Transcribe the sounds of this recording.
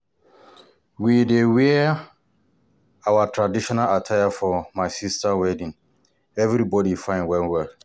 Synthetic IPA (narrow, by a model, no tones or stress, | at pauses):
widewɛ | awatʰɹadiʃɔnalatʰajafɔmaɪsistawɛdĩn | ɛvɾibɔdifãɪ̃nwɛlwɛl